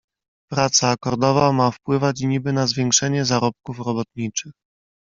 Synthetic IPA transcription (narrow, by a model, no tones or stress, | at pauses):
pɾat̪saːkɔɾd̪ɔvamafpwɘvat͡ɕɲibɘnazvʲjɛŋkʂɛɲɛzaɾɔp̚kufɾɔbɔt̪̚ɲit͡ʂɘx